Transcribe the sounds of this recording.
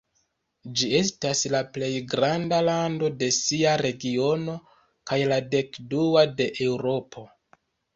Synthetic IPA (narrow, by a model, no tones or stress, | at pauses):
d͡ʒie̞staslaple̞jɡɾandalando̞de̞siaɾe̞ɡio̞no̞ | kajlade̞kduade̞ʔewɾo̞pʰo̞